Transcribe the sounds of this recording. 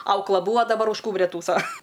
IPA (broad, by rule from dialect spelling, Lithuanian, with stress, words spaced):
ˈɐʊklˠɐ ˈbuːʋɐ dɐˈbɐr ʊʃ ˈkuːbʲrʲɛ ˈtuːsoː